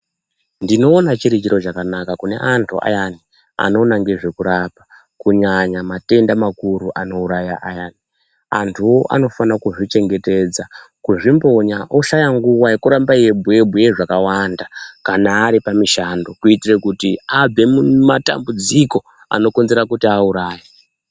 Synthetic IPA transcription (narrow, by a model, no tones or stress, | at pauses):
ndino̞ːnat͡ʃiɾit͡ʃiɾo̞t͡ʃakanakakune̞̰ʔantʰṵʔa̰jani | a̰no̞ːnaŋɡe̞ʐe̞kuɾapa | kuɲaɲamate̞ndamakuɾuʔano̞uɾajaʔajani | a̰ntʰuwo̞ʔa̰no̞fanakuʐit͡ʃe̞ŋɡe̞te̞d͡zakuʐimbo̞ɲaʔo̞ʃajaŋɡuwaje̞kuɾambaije̞bʱue̞bʱuje̞ʐakawandakanaːɾipamiʃando̞kuitirekutiab͡ve̞mumata̰mbud͡ziko̞ | a̰no̞konzeɾakutiauɾaːje